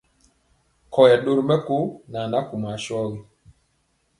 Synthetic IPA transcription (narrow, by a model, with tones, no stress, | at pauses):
kɔ˨jɛ˨ɗo˦ɾmɛ˦ko˦na˨na˦ku˨ma˨ʃɔ˦wi˦